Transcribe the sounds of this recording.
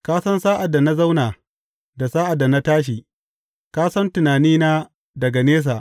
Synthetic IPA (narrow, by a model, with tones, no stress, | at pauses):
kaː˦sɐ˦nsaː˦ʔa˨dːa˨na˦za˦wnaː˨ | da˨saː˦ʔa˨dːa˨na˦taː˦ʃ̬iː˨ | kaː˦sɐ˦ntʊ˨naː˨niː˦naː˦ | dɐ˨ɡa˨neː˦s̬aː˨ʔ